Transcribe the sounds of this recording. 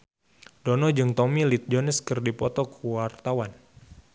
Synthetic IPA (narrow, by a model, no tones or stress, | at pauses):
dɔnɔd͡ʒɨŋt̪ɔmilit̪̚d͡ʒonəskɨrdipɔt̪ɔkuwart̪awan